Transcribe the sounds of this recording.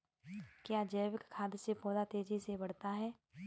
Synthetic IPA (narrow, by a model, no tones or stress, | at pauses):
kjaːd͡ʒɛːʋɪkkʰːaːd̪sepɔːd̪at̪eːd͡ʒisebɐɽ̤t̪aɦɛː